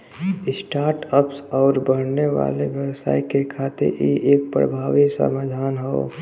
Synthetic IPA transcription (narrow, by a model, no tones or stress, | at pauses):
ɪsʈaːɾʈəpsɔːɾbəɽ̤neʋa̰ːleʋjəwsa̰ːikekʰaːt̪ɪ̰ɾḭʔeːk̚pɾə̰bʱaːʋiksə̰maːd̪ʱaːnɦoː